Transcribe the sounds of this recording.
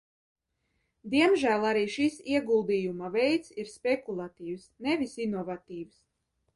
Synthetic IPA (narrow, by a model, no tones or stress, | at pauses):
d̪iɛmʒæːlˠaɾiːʃisiɛɡulˠd̪ijumavɛjt̪siɾspʲekulˠat̪iːwsnɛvisinɔvat̪iːws